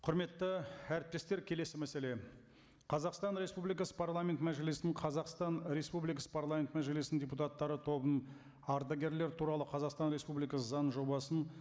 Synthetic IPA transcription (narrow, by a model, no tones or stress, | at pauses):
qʰʊɾme̞t̪ːəæɾɪp̚t̪e̞st̪e̞ɾkʲʰe̞le̞sɪmæse̞le̞ | qʰɑzɑqst̪ɑnɾe̞spublijkɑsə̥pʰaɾlˠamʲe̞nt̪mæʒelesɪnɪɴqʰɑzɑqst̪ɑnɾe̞spublijkɑsə̥pʰarlˠamʲe̞nt̪mæʒe̞lesnɪndʲeput̪ɑt̪ːɑɾət̪ʰo̞bən | ɑɾd̪ɑɡʲe̞ɾle̞ɾt̪ʰuɾɑlˠəqʰɑzɑqst̪ɑnɾespublijkɑsəzɑnʒo̞bɑsən